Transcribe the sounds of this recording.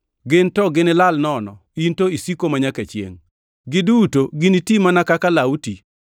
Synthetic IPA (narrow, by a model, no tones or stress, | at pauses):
ɡɪntɔɡɪnɪlalnɔnɔ | intoisikomaɲaket͡ʃjḛŋ | ɡɪdutoɡɪnitimanakakalauti